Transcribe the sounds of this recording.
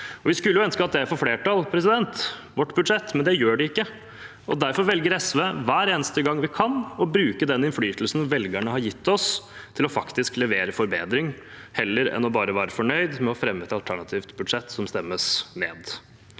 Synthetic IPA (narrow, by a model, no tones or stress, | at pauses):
ɔʋɪskʉlːjʊœnskəɑt̪̚d̪ɛæɾfɔɾfleːʈɑlpʰɾɛsɪd̪ɛnt̪ | ʋɔʈːbʉd̪ʂɛt̪ːmɛnd̪ɛjøːɖɛɪkːə | ɔ̰d̪æɾfɔɾʋɛlɡəɾɛsʋeːʋæːɾeːnəst̪əɡɑŋːʋɪkʰɑnɔbɾʉːkəd̪ɛnːɪnflyːt̪l̩sn̩ʋɛlɡæɳəɦɑɾjɪt̪ːɔst̪ʰɪlɔfɑkt̪ɪsklɛʋeːɾəfɔɾbeːd̪ɾɪŋ | hɛlːəɾɛ̰nɔbɑːɾəʋæːɾəfɔɳœʏd̪mɛɔfɾɛmːɛt̪ːəɑlt̪ʰæɳɑt̪ʰiːʋt̪bʉd̪ʂɛt̪ːsɔmst̪ɛmːəsmḛːd̪